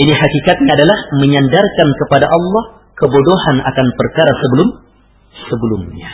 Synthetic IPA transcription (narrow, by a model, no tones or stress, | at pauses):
iniɦakikat̪̚ɲaːdalahməɲandarkankəpadaʔɑlːɑh | kəbodohana̰kanpərkaɾasəbəlʊm | səbəlumɲa